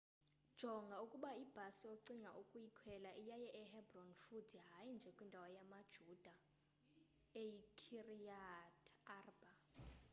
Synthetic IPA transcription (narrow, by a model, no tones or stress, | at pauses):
d̥ʒ̥ʱɔŋɡʱaukʼuɓaib̥ʱasijoǀiŋɡʱa̰ʔukʼujikʰwɛlaʔijajɛʔɛɦɛbrɔnfutʰiɦajind͡ʒʱɛkʼwindʱawajamad̥ʒ̥ʱud̥ʱa | ejikʰirijatʰaːrba